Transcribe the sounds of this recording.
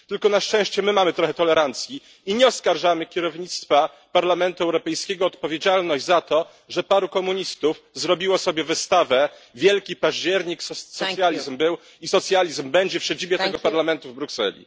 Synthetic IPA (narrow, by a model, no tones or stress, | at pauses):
t̪ɘlkɔnaʂt͡ʂɛ̃w̃ɕt͡ɕɛmɘmamɘt̪ɾɔxɛt̪ɔlɛɾant̪sʲjiː | ɲɛɔskaɾʐamɘkʲɛɾɔvɲit̪st̪fa | paɾlamɛnt̪uɛwɾɔpɛjskʲɛɡɔːt̪pɔvʲjed͡ʑalnɔʑd͡ʑzat̪ɔ | ʐɛpaɾukɔmuɲist̪ufzɾɔbʲiwɔsɔbʲjɛvɘst̪avɛvʲjɛlkʲipaʑd͡ʑɛɾɲiksɔjalʲizmbɘw | isɔt̪sʲjalʲizmbɛɲd͡ʑɛfɕɛd͡ʑibʲjɛt̪ɛɡɔpaɾlamɛnt̪uvbɾuksɛ̰lʲḭ